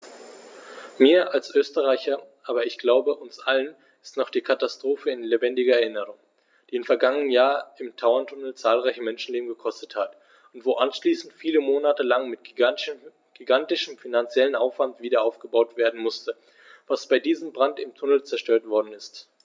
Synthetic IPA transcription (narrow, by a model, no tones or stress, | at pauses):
miːɐʔalsʔøːstəʁaɪçɐʔaːbɐɪçɡ̥laʊbəʔʊnsʔalən | ɪstnɔχd̥iːkʰatastʁ̥oːfəɪnlebɛndɪɡɐɛɐɪnəʁ̞ʊŋ | d̥iːɪmfɛɐɡaŋənənjaːɐɪmtʰaʊɐntʰʊnl̩t͡saːlʁaɪçəmɛnʃn̩leːbm̩ɡəkʰɔstəthat | ʊntv̥oːʔanʃliːsn̩tfiːləmoːnatəlaŋmɪt̚ | ɡ̥iɡantɪʃəmfinant͡sjɛlənʔaʊfv̥antv̥iːdɐaʊfɡ̥əbaʊtv̥eːɐdn̩mʊstə | v̥asb̥aɪdiːzəmbʁantɪmtʰʊnl̩t͡sɛɐʃtøːɐtv̥ɔɐdn̩ɪst